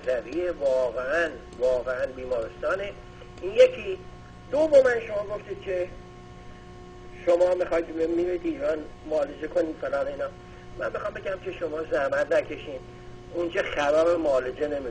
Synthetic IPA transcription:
zæbievɒːɣeæn | vɒːɣeænbiːmɒːɾest̪ɒːne | ʔiːnjekʰiː | d̪̥ovomænʃo̞mɒːɡoft̪iːd̪̥̚kʲʰe̞ | ʃomɒːmixɒjd̪mmiɾiːd̪iːɾɒːnmoːled͡ʒekʰoniːd̪̥felɒːnoiːnɒː | mæ̰nbexɒːmbe̞ɟæmcʲʰe̞ʃo̞mɒːzæhmæt̪ʰnækʰe̞ʃiːm | ond͡ʒɒxæbæɾemoːled͡ʒene̞mi

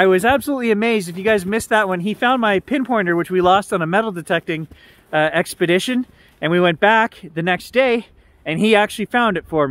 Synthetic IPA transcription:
aɪwʌzæb̥səlutˡliɨmeɪzdɨfjɨɡaɪzmɪsðət̚wʌ̃nifãʊ̃nmaɪpʰɪ̃npʰɔ̃ɹ̃nə˞wɨt͡ʃwilɔstn̩əmɛɾl̩ˠdɨtʰɛk̚tɪ̃ŋ | ɛkspɨɾɪʃɨ̃n | ɨ̃nwiwɛ̃nb̥ækðɨnɛksd̥eɪ | ɨ̃niæk̚t͡ʃʉl̩ˠifãʊ̃ndɨtfə˞m

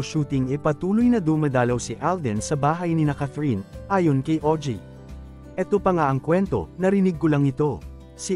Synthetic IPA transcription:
ʃuːt̪ɪŋɛpɐt̪uːlojnɐd̪ʊmɐd̪aːlɐwsiʔald̪ɪnsɐbaːɦɐjnɪnɐkɐθɾinʔaːjonkɐjʔod͡ʒḭ | ʔɛt̪opɐŋaʔɐŋkwɛnt̪o̞̰nɐɾɪnɪɡ̚ːʊlaŋɪt̪o̞ | si

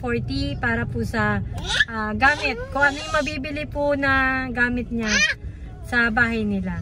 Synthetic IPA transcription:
foɹt̪ipaːɾɐpʊsɐʔaɡaːmɪt̪̚kʊŋʔɐnojɪmɐbiːbɪlɪpʊnɐɡaːmɪt̪̚ɲa | sɐbaːɦɐjnɪla

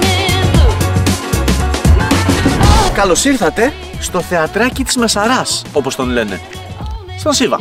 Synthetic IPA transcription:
kɐlo̞siɾθɐt̪e̞ | st̪o̞θe̞ɐt̪ɾɐcit̪i̥zme̞sɐɾɐso̞po̞st̪o̞nle̞ne̞̰ | sɐnsivɐ̰

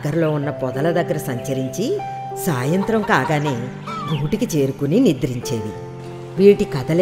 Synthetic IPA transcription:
ɡɐɾlo̞ːunːɐpɔd̪ɐlɐd̪ɐɡːɐɾɐsɐɲt͡ʃɐɾiɲt͡ʃi | saːjɐnt̪ɾɐmkaːɡaːneː | ɡuːʈikit͡ʃe̞ːɾukuninid̪ɾiɲt͡ʃeːʋi | ʋiːʈikɐd̪ɐl

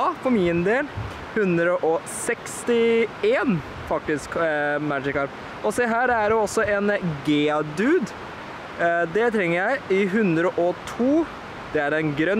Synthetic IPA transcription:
fɔmɪnd̪eːl | hʉnd̪ɾəʔɔsɛkst̪ɪeːn | fɑk̚t̪ɪskmæd͡ʒɪkːɑɾ | ɔseːɦæːɾæɖɛɔsːɔɛnɡeːɑd̪ʉːd̪ | d̪ɛt̪ʰɾɛŋːəɾjæɪɪɦʉnd̪ɾəʔɔt̪ʰuː | d̪̥ɛæɾɛnɡɾœ

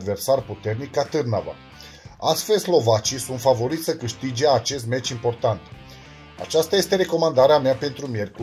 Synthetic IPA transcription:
d̪ve̞rsarput̪e̞rnikːat̪ɨrnava̰ | ast̪fe̞lʲslo̞vat͡ʃijsunt̪favo̞ɾit̪sʲsəkɨʃt̪id͡ʒeat͡ʃe̞st̪me̞t͡ʃimpo̞rt̪ant̪ | a̰t͡ʃast̪aje̞st̪e̞ɾe̞ko̞mand̪aɾeameape̞nt̪ɾumje̞rku

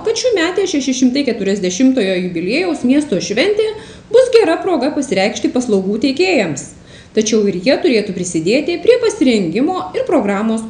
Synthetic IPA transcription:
kɐt̪ʃʲuːmʲæːt̪ʲeːʃʲɛʃʲɛʃʲɪmt̪ɐɪkʲɛt̪ʊɾʲɛzʲd̪ʲɛʃʲɪmt̪oːjoːjʊbʲɪlʲeːjɛʊsmʲiɛst̪oːʃʲʋʲɛnʲt̪ʲeː | bʊsɡʲɛɾɐpɾoːɡɐpɐsʲɪɾʲɛɪkʃʲt̪ʲɪpɐslˠɐʊɡuːt̪ʲɛɪkʲeːjɛms | t̪ɐt͡ʃʲɛʊɪɾjiɛt̪ʊɾʲeːt̪upʲɾʲɪsʲɪd̪ʲeːt̪ʲɪpʲɾʲiɛpɐsʲɪɾʲɛŋʲɡʲɪmoːɪɾpɾoːɡɾɑːmoːs

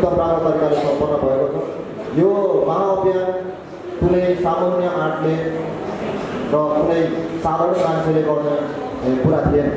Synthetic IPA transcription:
t̪ʌpraɡʌt̪ʌɾikalesʌmpʌrnːʌbʱʌekot͡sʰʌ | jomaɦãʌpjan | t̪unejsamʌrnjʌʔaʈle | rʌt̪unʌjsad̪ʱʌrnmãnsʌleɡʌrnakuɾat̪ʰijenʌ

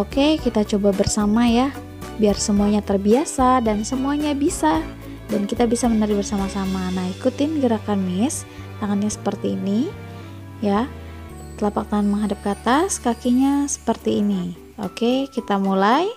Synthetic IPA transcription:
okekit̪at͡ʃobabərsamaja | biarsəmuaɲat̪ərbiasadansəmuaɲabisa | dankit̪abisamənaɾɪbərsamasamanahikut̪ɪnɡəɾakanmɪs | t̪aŋanɲasə̥pərt̪iːni | ja | t̪əlapak̚t̪aːnməŋɦadap̚kat̪askakiɲasə̥pərt̪iːni | o̰kekit̪amulaj

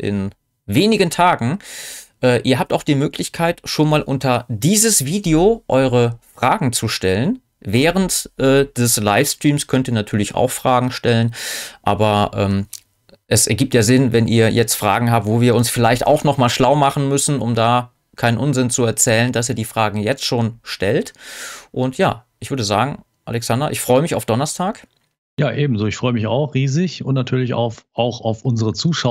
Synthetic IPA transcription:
ʔɪ̰n | veːnɪɡəntʰaːɡŋ̩ʔɛːʔiːɐɦaːp̚taʊxd̥iːmøːkʰlɪçkʰaɪtʃoːnmaːlʔʊntɐdiːzəsv̥iːdeoʔɔʏʁəfʁ̥aːɡŋ̩t͡suʃtɛlən | vɛːʁ̞əntʔɛːd̥ɛslaɪfstʁ̥iːmskʰœntiːɐnatʰyːɐlɪça̰ʊxfʁ̥aːɡŋ̩ʃtɛlənʔaːbɐʔɛːm | ʔɛsʔɛɐɡiːp̚tjaːzɪnvɛnʔḭːɐjɛt͡stfʁ̥a̰ːɡŋ̩ɦaːp̚tvoːviːɐʊnsfɪlaɪçta̰ʊxnɔχmaːlʃlaʊmaχn̩mʏsn̩ʊmdaː | kʰaɪnənʔʊnzɪnt͡suɛɐt͡sɛːləndas̬iːɐdiːfʁ̥aːɡŋ̩jɛt͡stʃoːnʃtɛltʔʊntʰja̰ːʔɪçv̥ʏɐdəza̰ːɡŋ̩ | ʔa̰lɛksandɐʔɪçfʁ̥ɔʏəmɪça̰ʊfd̥ɔnɐstʰaːk | jaːʔeːbm̩zoːɪçfʁ̥ɔʏəmɪça̰ʊxʁiːzɪçʊntnatʰyːɐlɪça̰ʊfʔaʊxaʊfʔʊnzəʁət͡suːʃa

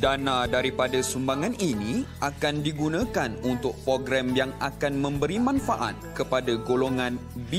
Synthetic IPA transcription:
danãdaɾipadasumbaŋãniniakandiɡunãkanunt̪ʊk̚pɾoɡɾamjaŋʔakanmə̃mbəɾimãnfaʔa̰t̪̚kəpadaɡoloŋãnbi

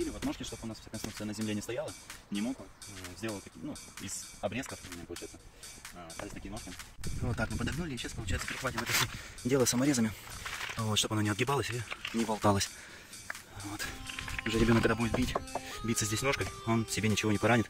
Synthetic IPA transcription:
ilʲɪvonokʲɪʂt̪o̞bʊnasfsakɐnsuk̪̚sɨjənəzʲɪmlenʲɪst̪ɐjalˠənʲɪmokʊzʲdʲelˠəlˠək̪ɐkʲinuɪz̥ɐbɾʲeskəft̪omʲɪnʲɛpəlˠʊt͡ɕɛjɪt̪səst̪alʲɪsʲt̪ɐkʲijno̞ʂkʲɪvo̞t̪ːaknopəd̪ɐɡnulʲɪt͡ɕesəpəlˠʊt͡ɕʲɛjɪtsə̥pɪɾʲɪxvatʲɪmɛt̪əsʲodʲelˠəsəmɐɾʲezəmʲɪvot̪ʂt̪oɐnonʲɪɐd̪̚ɡʲɪbɑlˠəsʲɪlʲɪnʲɪvɐlˠt̪alˠəsʲ | vo̞t̪ʊʐɛɾʲɪbʲoəkːɐɡd̪abudɪt̪̚bʲitʲbʲit̪səzʲdʲesʲno̞ʂkəo̞nsʲɪbʲenʲɪt͡ɕɪvo̞nʲɪpɐɾanʲɪt̪

